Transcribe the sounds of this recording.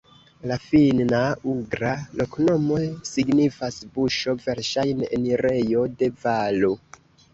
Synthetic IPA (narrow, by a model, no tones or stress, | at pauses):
lafinauɡɾalo̞kno̞mo̞jsiɡnifasbuʃo̞ve̞ɾʃajnḛnɾe̞jo̞de̞valo